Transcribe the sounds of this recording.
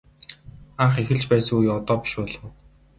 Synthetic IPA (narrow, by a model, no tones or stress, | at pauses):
aːχexɘ̆ɮt͡ɕpæːsə̆ŋujɔt̪ɔːpi̥ʃʊːɮʊ̆w